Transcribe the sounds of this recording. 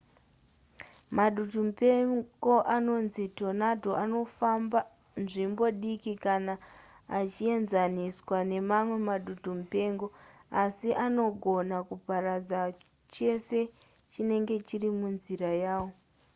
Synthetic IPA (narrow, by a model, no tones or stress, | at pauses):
maɗutumupe̞ɡo̞ʔano̞nzito̞nadʱo̞ʔano̞famba | nʐimbo̞ɗikikanaː | t͡ʃie̞nzaniswane̞mamwe̞maɗutumupe̞ŋɡo̞asiʔano̞ɡʱo̞nakupaɾad͡za | t͡ʃe̞se̞ | t͡ʃine̞ŋɡe̞t͡ʃirimunziɾajaːwo̞